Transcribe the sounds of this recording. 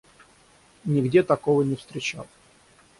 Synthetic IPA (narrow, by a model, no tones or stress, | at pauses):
nʲɪɡdʲet̪ɐkovənʲɪfst̪ɾʲɪt͡ɕa̰lˠ